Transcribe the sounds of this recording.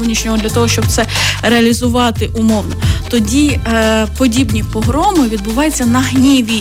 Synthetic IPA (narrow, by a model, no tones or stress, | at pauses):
nʲiʃnʲɔɦɔd̪lʲɐt̪ɔɦɔʃt͡ʃɔb̚t̪sɛɾeɐlʲizʊʋɑt̪ɪʔʊmɔʋnɔt̪ɔdʲipɔdʲibnʲipɔɦɾɔmɔjʋʲid̪̚bʊʋɑjet͡sʲːɐnɐɦnʲiʋʲi